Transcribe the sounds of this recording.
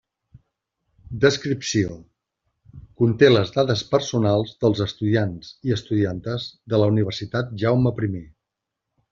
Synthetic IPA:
d̪əskɾipsio | kunt̪eləzðaðəspəɾsunalˠzðəlˠzəst̪uðianziəst̪uðiant̪əzðələuniβ̞ərsit̪at̪̚ʒawməpɾime

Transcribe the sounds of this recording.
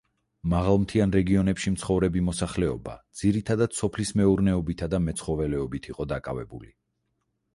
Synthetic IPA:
maʁalˠmt̪ʰianɾɛɡiɔnɛpʃimt̪sʰχɔvɾɛbimɔsaχlɛɔ̰ba̰d̪z̥iɾit̪ʰad̪ad̪̥sɔpʰlismɛuɾnɛɔbit̪ʰad̪amɛt̪sʰχɔvɛlɛɔbit̪ʰiqʼɔd̪akʼavɛ̰bṵli

